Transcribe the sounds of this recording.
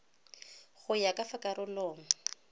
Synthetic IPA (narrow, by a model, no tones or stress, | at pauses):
ɣʊjakʼafakʼaɾʊlɔːŋ̩ʊ